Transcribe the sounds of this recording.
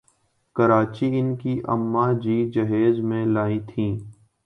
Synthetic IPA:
kəɾaːt͡ʃiɪnkiʔə̰mːad͡ʒiːd͡ʒəɦeːzmẽlaːĩt̪ʰĩː

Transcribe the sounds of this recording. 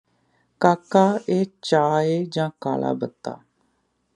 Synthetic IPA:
kaːkaːeːt͡ʃaːeːd͡ʒãːkaːla̰ːbət̪ːa̰ː

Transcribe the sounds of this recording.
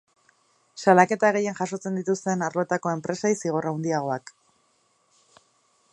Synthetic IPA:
salake̞t̪aɣe̞je̞nʝaso̞t͡se̞nd̪it̪ust̪e̞naɾlo̞et̪ako̞e̞mpɾe̞sajsiɣ̞o̞rawnd̪iaɣ̞o̞ak

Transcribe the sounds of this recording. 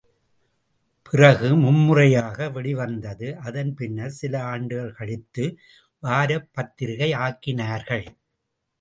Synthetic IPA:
pɪrɐɣɯmʊmːɯrɐjaːɣɐʋɛɽɪʋɐnd̪ɐðɯʔɐðɐnpɪnːɐɾsɪlɐaːɳɖɯɣɐɭkɐɭɪt̪ːɯ | ʋaːɾɐpːɐt̪ːɪɾɣɐɪaːkɪnaːɾɣɐɭ

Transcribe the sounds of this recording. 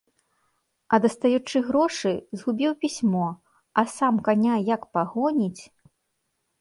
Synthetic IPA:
ɐd̪ɐst̪ajut͡ʂɨɣɾɔʂɨzɣubʲiwpʲisʲmɔ | ɐsamkanʲajakpaɣɔnʲit͡sʲ

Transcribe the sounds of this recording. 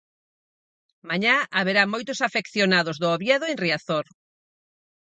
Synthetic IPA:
maɲaaβeɾamojt̪ʊsafekθjonaðʊzðʊoβjɛðʊenriaθoɾ

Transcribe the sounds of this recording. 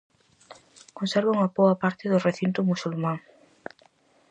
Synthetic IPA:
kõnsɛɾβaŋɐboɐpaɾt̪ɪðʊreθint̪ʊmusulmãŋ

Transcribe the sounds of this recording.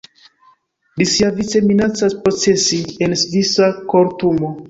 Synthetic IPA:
lisiavit͡se̞minat͡saspɾo̞t͡se̞siensvisakoɾtumo

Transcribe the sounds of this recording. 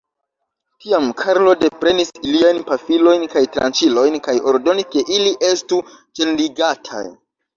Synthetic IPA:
tiamkʰaɾlo̞de̞pɾe̞nisiliajnpafilo̞jnkajtɾa̰nt͡ʃilo̞jnkajo̞ɾdo̞niske̞ʔiliʔe̞stu | d͡ʒe̞nliɡatʰa̰j

